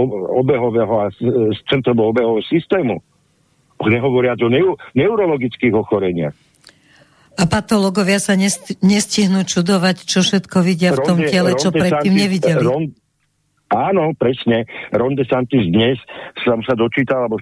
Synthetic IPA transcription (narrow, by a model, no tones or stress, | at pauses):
ɔɔbɛɦɔʋɛɦɔast͡sɛnt̪ɾɔʋɔɔbɛɦɔsist̪ɛːmu | ɔɲɛɦɔʋɔɾɪad͡zɔnɛunɛuɾɔlɔɡit͡skiːɣɔxɔɾɛɲɪa̰x | apat̪ɔlɔɡɔʋɪasaɲɛɲɛsciɦnuːt͡ʃud̪ɔʋact͡ʃɔfʃɛt̪kɔʋiɟɪafɔmɪɛlɛt͡ʃɔpɾɛt̪ːiːmɲɛʋiɟɛliɾɔn | aːnɔpɾɛsɲɛɾɔnd̪ɛsant̪izd̪ɲɛssɔmsad̪ɔt͡ʃiːt̪alabɔ